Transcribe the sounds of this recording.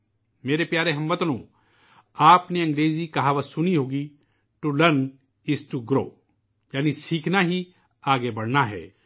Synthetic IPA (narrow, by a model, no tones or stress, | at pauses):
meːɾepjaːɾeɦɐ̃mbət̪lõ̰ː | aːpneɐ̃ŋɡɾeːzikɐɦaʋasʊniɦoːɡi | t̪olɐn | ɪsʈuɡɾo̰ː | jaːnisiːkʰnaɦi | aːɡebɐɽ̤naɦɛ̰ː